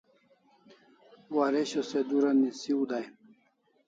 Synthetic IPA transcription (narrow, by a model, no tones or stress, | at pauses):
waɾeɕosed̪uɾɐnːisiud̪aj